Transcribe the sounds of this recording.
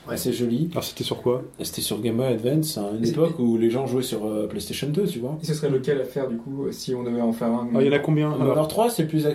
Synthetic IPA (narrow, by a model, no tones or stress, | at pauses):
wɛ̰sɛʒɔlialɔʁse̥t̪ɛsyʁkwase̥t̪ɛsyʁɡʲɛmbɔjad̪vɛ̃t̪synepɔkuleʒɑ̃ʒuɛsyʁøplɛst̪eʃɔnd̪øt̪yvwasəsʁɛləkɛlafɛʁd̪ykusiɔ̃d̪əvɛɑ̃fɛʁɛ̃ajɑ̃nakɔ̃bjɛ̃alɔʁt̪χwasɛplyza